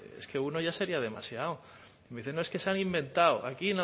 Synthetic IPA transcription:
ḛske̞uno̞ʝase̞ɾiað̞e̞ma̰sjaw | meiθenoeske̞sanimbẽ̞nt̪awa̰kina

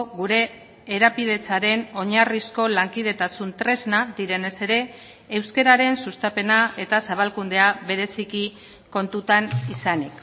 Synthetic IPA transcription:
ɣuɾe̞ː | ɾapið̞e̞t͡saɾe̞no̞ɲarisko̞laŋkiðe̞t̪asunt̪ɾe̞znad̪iɾe̞ne̞se̞ɾe̞ː | wske̞ɾaɾe̞nsust̪ape̞nae̞t̪asaβ̞alkund̪e̞aβe̞ɾe̞siki | ko̞nt̪ut̪anisanik

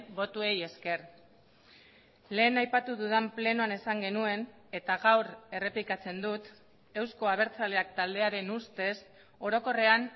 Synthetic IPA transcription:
bo̞t̪ue̞je̞ske̞ɾ | le̞ːnajpat̪uðuðample̞noane̞saŋɡe̞nue̞ne̞t̪aɣawɾe̞re̞plikat͡se̞nd̪ut̪ | e̞wsko̞aβ̞e̞ɾt͡sale̞ak̚t̪ald̪e̞aɾe̞nust̪e̞s | o̞ɾo̞ko̞re̞an

